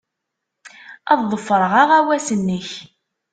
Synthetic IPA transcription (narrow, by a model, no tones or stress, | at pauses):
ɑððˤəfːəɾˤəʁaʁæwæsənːəç